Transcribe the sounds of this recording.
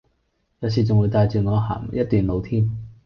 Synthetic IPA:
jaː˨˧ws̬iː˨˩t͡sʊ˨ŋwuː˨˧jt̪aː˨˧jt͡syː˨˩ŋɔː˨˧ɦa̰ː˨˩mjɐ˥t̚t̪yː˨nlo˨˧wt̪ʰiː˥m

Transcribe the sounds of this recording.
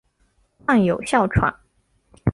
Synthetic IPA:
a˥˩ŋjo˨˩ʊɕjɑ˥˩ʊʈ͡ʂʰwa̰˨˩˦n

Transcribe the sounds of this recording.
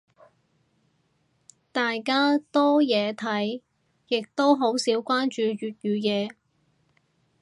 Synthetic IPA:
t̪aː˨jkaː˥t̪ɔː˥jɛː˨˧t̪ʰɐ˨˥j | jɪ˨k̚t̪o˥wɦo˨˥wsiː˨˥wkʷaː˥nt͡ʃyː˨˧ɥyː˨t̚jyː˨˧jɛː˨˧

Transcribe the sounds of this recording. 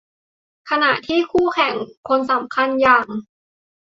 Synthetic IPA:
kʰa˧na˨˩ʔt̪ʰiː˥˩kʰuː˥˩kʰɛ˨˩ŋkʰo˧nsa˨˩˦mkʰa˧njaː˨˩ŋ

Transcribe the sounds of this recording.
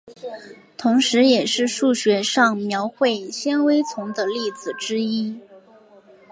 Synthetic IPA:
t̪ʰʊ˧˥ŋʂɻ̩˧˥jɛ˨˩ʂɻ̩˥˧ʂu˥˩ɕɥɛ˧˥ʂɑ˥˩ŋmjɑ˧˥ʊxwe˥˩ɪɕjɛ˥nwe˥ɪt͡sʰʊ˧˥ŋd̪ə˧li˥˩d͡zɹ̩˨˩ʈ͡ʂɻ̩˥i˥

